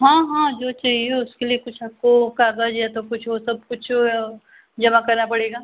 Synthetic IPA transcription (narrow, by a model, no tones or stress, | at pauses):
ɦãːɦãːd͡ʒoːt͡ʃaːɦieʊskeliekʊt͡ʃʰaːp̚kokaːɡad͡ʒjat̪okʊt͡ʃʰʋosɐb̚kʊt͡ʃʰ | d͡ʒɐmakɐɾnapɐɽeːɡaː